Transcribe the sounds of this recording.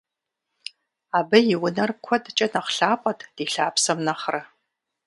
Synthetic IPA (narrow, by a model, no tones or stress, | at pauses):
aːbɐjɪwʊnɐrkʷʰɔdt͡ʃʼɐnɐχɬaːpʼɐtʰd̥iːɬaːpsɐmnɐχrɐ